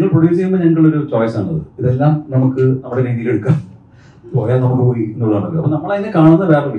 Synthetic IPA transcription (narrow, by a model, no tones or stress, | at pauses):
ɐŋːɐɭprodjuːsikʲːumbɐneʈːuɭːɐo̞ɾut͡ɕoːjsaːɳːɐðɨ̰iðelːaːmnɐmukːɨnɐmːuɽeɾeːd̪ileɽukːaːm | poːjaːnɐmːukːɨpoːjinːuɭɐðaːɳɐlːoɐpːonɐmːɐɭaenːɨkaːɳunːɐʋe̞ːɭeʋɐ